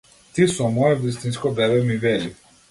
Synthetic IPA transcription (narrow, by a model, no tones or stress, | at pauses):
t̪isɔmɔɛvist̪inskɔbɾɛbɛmivɛli